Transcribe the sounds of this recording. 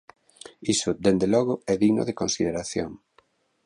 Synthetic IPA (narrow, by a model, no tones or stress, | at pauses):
isʊd̪end̪elɔɣʊɛðiɣno̰ðekonsiðeɾaθjo̰ŋ